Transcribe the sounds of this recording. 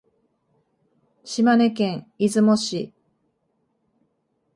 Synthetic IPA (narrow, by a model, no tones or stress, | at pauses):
ɕimane̞kẽɰizɨmoɕi